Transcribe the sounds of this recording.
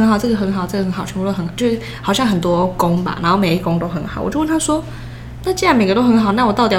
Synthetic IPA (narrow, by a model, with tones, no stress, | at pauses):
ə˧˥nxɑ˨˩ʊʈ͡ʂɤ˥˩ɡə˩xə˧˥nxɑ˨˩ʊʈ͡ʂɤ˥˩ə˩xə˧˥nxɑ˨˩˧u˥˧t̪o˥xə˧˥n˨˩t͡ɕjo˥˧ʊʂ̩˥˩hɑ˨˩ʊɕjɑ˥˩ŋxə˨˩nt̪wɔ˦˥kʊ˥ŋba̰˨˩na˧˥nxo˥˩ʊme˨˦i˥˩˧koʊ˥ŋt̪o˥ʊxə˧˥nxɑ˨˦wɔ̰˨˩t͡ɕjo˥˧wə˥˩nt̪ʰa˥ʂwɔ˥ | na˥˩t͡ɕi˥ɻa˧˥nme˨˩ɡə˧˦t̪o˥ʊxə˧˦nxɑ˨˩ʊna˥˩wɔ˨˩t̪ɑ˥˩ʊt̪i˨˩